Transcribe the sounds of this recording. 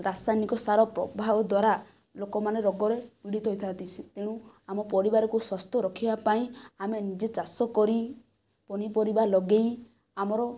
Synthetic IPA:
ɾasajnikɔsaɾɔpɾɔbʱabɔd̪waɾa | lokɔmaneɾɔɡɔɾepiɽit̪ɔɦojt̪ʰant̪it͡ʃʰit̪eɽ̃ũ | amɔpɔɾibaɾɔkuswast̪ʰɔɾɔkʰibapaĩamenid͡ʒet͡ʃasɔkɔɾi | pɔɽ̃ipɔɾibalɔɡej | amɔɾɔ

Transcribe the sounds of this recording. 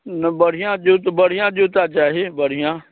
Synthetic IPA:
nəbəɽ̤ɪjãːd͡ʒoːt̪bəɽ̤ɪjãːd͡ʒoːt̪aːt͡ʃaːɦeːbəɽ̤ɪjãː

